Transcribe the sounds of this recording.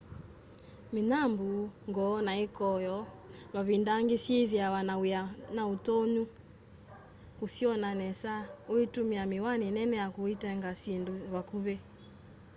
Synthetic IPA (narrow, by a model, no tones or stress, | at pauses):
minambuŋɡɔnaikɔjɔmaβindaŋɡisiðjawanajanautoɲu | kusiɔnanɛsaoitumiamiwaninɛnɛjakuitɛŋɡasinduwakuβɛ